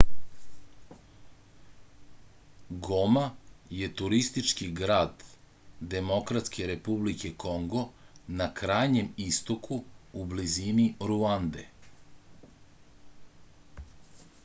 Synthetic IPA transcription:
ɡomaje̞t̪uɾist̪it͡ʃkiɡɾaːd̪ː | e̞mo̞kɾat̪ske̞ɾe̞publike̞ko̞ŋɡo̞nakɾaːjɲe̞mist̪okuːbliziniɾuand̪ḛ

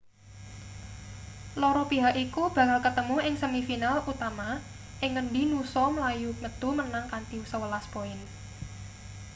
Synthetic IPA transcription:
lɔɾɔpiɦakikub̥ä̤kalkət̪əmuɪŋsəmifinalut̪ama | ʔɪŋːənɖinusɔməlajuŋət̪umənaŋkant̪iusəwəlaspoɪn

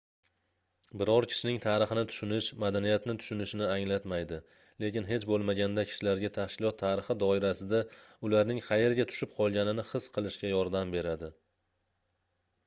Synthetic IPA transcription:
bɪɾɒɾkʲʰɪ̥ʃɪnɪŋt̪ʰaːɾɨχɨnɪt̪ʰʊ̥ʃʊnɪʃmad̪anijat̪nɪt̪ʰʊ̥ʃʊnɪʃɪnɪaŋlat̪majd̪ɪ | le̞kʲɪnɦe̞t͡ʃbolˠmaɡʲand̪akʲʰɪ̥ʃɪlaɾɡʲat̪ʰahkʲʰɪlˠɒt̪ʰːaːɾɪχɪd̪ɒɪɾasɪd̪aʊlaɾnɪŋqʰɑje̞ɾɡʲat̪ʰʊ̥ʃɪp̚qʰɒlˠɡʲanɪnɪχɨsqʰɨlˠɪʃkʲajɒɾd̪ambe̞ɾad̪ɪ

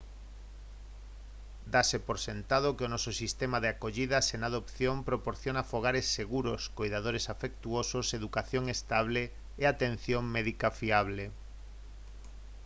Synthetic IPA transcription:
d̪asepoɾsent̪að̞okɪonɔsosist̪emaðeakoʎið̞asenað̞opθjompɾopoɾθjonafoɣ̞aɾesːeɣuɾoskojðað̞oɾesafek̚t̪uososeðukaθjoŋest̪aβ̞leː | at̪ẽn̟θjoŋmɛðikafiaβ̞le

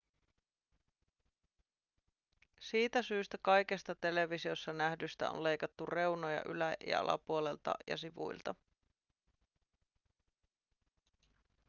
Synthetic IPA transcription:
siːt̪æsyːst̪ækɑjke̞st̪ɑt̪e̞le̞ʋisio̞sːɑnæhdyst̪æ̰o̰nle̞jkɑt̪ːure̞wno̞jɑ̰ʔylæjɑ̰ɑ̰lɑ̰puole̞lt̪ɑ̰jɑ̰siʋṵjlt̪ɑ

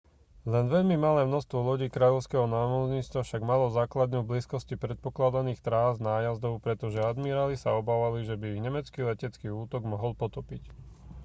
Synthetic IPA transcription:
lɛnʋɛʎmimalɛːmnɔst̪ʋɔlɔɟiːkɾaːʎɔʊskɛɦɔnaːmɔzɲiːt͡st̪ʋafʃaɡmalɔzaːklad̪nuːbliːskɔscipɾɛt̪̚pɔklad̪aniːxt̪ɾaːznaːjazd̪ɔʊpɾɛt̪ɔʒɛad̪miɾalisaɔbaːʋaliʒɛbiiɣɲɛmɛt͡skilɛcɛt͡skiːuːt̪ɔɡmɔɦɔlpɔt̪ɔpic

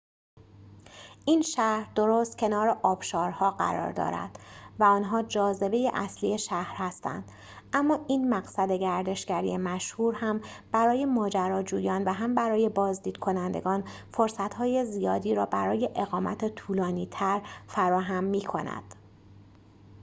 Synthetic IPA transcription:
ʔiːnʃæhɾd̪o̞ɾost̪̚cʲʰe̞nɒːɾeʔɒːb̥ʃɒːɾhɒːɢæ̰ɾɒ̰ːɾd̪ɒ̰ːɾæ̰d̪̥væɒnɦɒːd͡ʒɒːze̞be̞jḛʔæ̰slie̞ʃæhɾhæst̪æ̰nd̪̥ | ʔæmːɒːʔiːnmæɣsæd̪e̞ɟæɾd̪e̞ʃɡæɾḭjemæʃhuːɾhæmb̥æɾɒːje̞mɒːd͡ʒæɾɒːd͡ʒuːjɒːnvæɦæmbæɾɒːje̞bɒːzd̪iːd̪̥kʰo̞nænd̪e̞̰ɡɒːn | fo̞ɾsæt̪hɒːje̞zijɒːd̪iːɾɒːbæɾɒːje̞ʔeɣɒːmæ̰t̪ʰet̪ʰuːlɒːniːt̪ʰæɾfæɾɒːɦæmːiːkʰo̞̰næ̰d̪̥

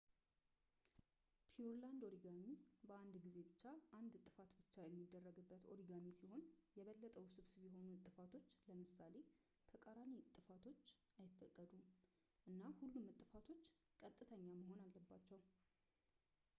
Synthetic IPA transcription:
pʰiuɾland̪o̞ɾiɡanibəand̪ɡize̞bɨt͡ʃːaʔand̪t̪ʼɨfat̪bɨt͡ʃːajɛmːid̪ːərːəɡɨbːət̪o̞̰ɾiɡaɲisiho̞njɛβəlːət̪ʼəwsɨβsɨβjɛɦo̞nut̪ʼːɨfat̪ʰo̞t͡ʃːləmɨsale̞ | t̪ʰəkʼəɾanit̪ʼːɨfat̪ʰo̞t͡ʃː | ajɪfːəkʼːəd̪u | ʔɨnːahulːumːɨt̪ʼːɨfat̪ʰo̞t͡ʃːkʼət̪ʼːɨt̪ʰəɲːaməho̞nalːəbːat͡ʃːɛw

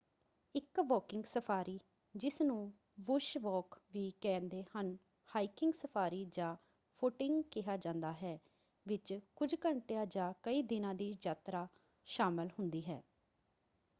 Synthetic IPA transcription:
ɪkʋɔːkɪ̃ŋɡsəpʰaːɾiː | d͡ʒɪsnũː | ʋʊʃʋɔːkʋiːkɛ̃ːnd̪eːhən | haːikɪŋɡsəpʰaːɾiːd͡ʒãː | pʰʊʈɪŋɡkɪɦaːd͡ʒãːnd̪aːɦɛː | ʋɪt͡ʃkʊd͡ʒkəɳʈejãːd͡ʒãːkəiːd̪ɪnãːd̪iːd͡ʒaːt̪ɾaː | ʃaːmɪlɦʊnd̪iːɦɛ̰ː

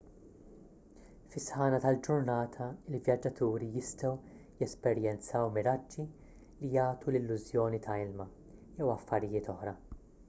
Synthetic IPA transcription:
fɪsħɐːnɐt̪ɐld͡ʒʊɾnɐːt̪ʰɐɪlvjɐd͡ʒːɐt̪uːɾijɪst̪ɔwjɛspɛɾjɛnt͡sɐwmɪɾɐd͡ʒːi | lijɐːt̪ulɪlːʊzjɔːnit̪ʰɐɪlmɐ | jɛwɐfːɐɾɪjɪːt̪ɔħɾɐ

